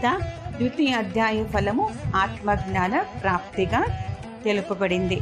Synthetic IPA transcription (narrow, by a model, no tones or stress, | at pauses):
t̪aːbjut̪iɐd̪ʱjaːjɐpʰɐlɐmuaːt̪mɐɡɳaːnɐpɾaːp̚t̪iɡaː | t̪elupubɐɽind̪i